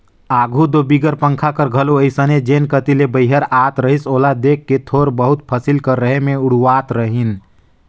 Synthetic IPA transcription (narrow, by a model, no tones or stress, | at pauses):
aɡʱud̪obiɡəɾpə̃ŋkʰakəɾɡʱəloəjsəned͡ʒenkət̪ilebəɪɦəɾat̪ɾəɦisolad̪ekːet̪ʰoɾbəɦut̪pʰəsilkəɾːəɦemeuɽuwat̪ɾəɦin